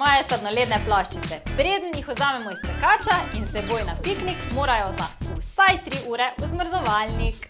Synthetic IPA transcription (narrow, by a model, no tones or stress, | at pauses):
mɔːjɛsad̪nɔleːd̪nɛplaʃt͡ʃit̪sɛpɾeːd̪ənjixɔzaːmɛmɔispɛkaːt͡ʃainsɛbojnapiknikmoːɾajɔzasajt̪ɾiʔuːɾɛuzməɾzɔʋalnik